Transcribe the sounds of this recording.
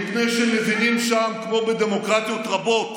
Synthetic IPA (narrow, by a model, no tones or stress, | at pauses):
ipne̞jʃeme̞vinimʃamkmo̞bed̪e̞mo̞kʁat̪ijot̪ʁabo̞t̪